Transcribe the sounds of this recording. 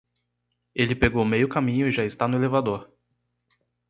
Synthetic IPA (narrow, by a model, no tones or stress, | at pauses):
elɪpeɡowmejʊkamĩɲʊɪʒaɪst̪anʊelevad̪oɾ